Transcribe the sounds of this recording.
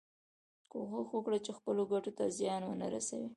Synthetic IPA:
koxaxwəkɽat͡ʃexpəloɡaʈot̪azjɑnwənaɾa̰sa̰wi

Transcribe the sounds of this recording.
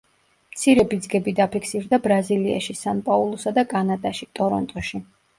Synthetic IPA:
mt̪sʰiɾɛbid̪zɡɛbid̪apʰikʰsiɾd̪abɾazilia̰ʃisanpʼaulˠusad̪akʼanad̪aʃit̪ʼɔɾɔ̰nt̪ʼɔʃi

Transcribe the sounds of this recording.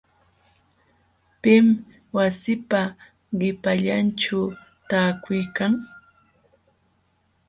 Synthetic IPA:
pɪm | wasɪpa | ɢɪpaʎanʈ͡ʂa | t̪aːkʊjkaŋ

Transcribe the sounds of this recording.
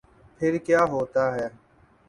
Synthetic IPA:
pʰɪɾkjaːɦoːt̪aːɦɛː

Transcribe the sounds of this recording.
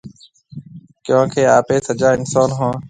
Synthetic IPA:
kjõːkʰeːaːpeːsəd͡ʒaːɪnsoːnɦõː

